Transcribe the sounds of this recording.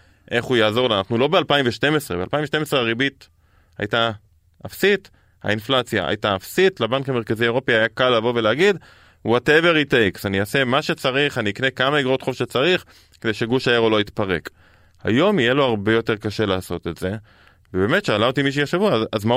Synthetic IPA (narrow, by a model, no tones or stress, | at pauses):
ʔe̞χujaːzo̞ʁlanaχnulo̞bealpaimɱveʃte̞mesʁebealpaimveʃte̞mesʁeaʁibit̪ | a̰jta | afsit | ha̰inflat͡sja̰ʔa̰jtaafsitlabankameʁkaziaeo̞piajakalːavo̞veleaɡid̪ | wateveʁitejksaniase̞maʃe̞t͡saʁiχaniiknekamaiɡʁot̪χo̞fʃet͡saʁiχ | ked̪e̞jʃe̞ɡuʃajeʁoloit̪paʁe̞k | ha̰jo̞mijelo̞aʁbe̞jo̞te̞ʁkaʃe̞laːso̞t̪etze̞ | vebe̞ːme̞tʃealaot̪imiʃ̬ejaʃevuaazma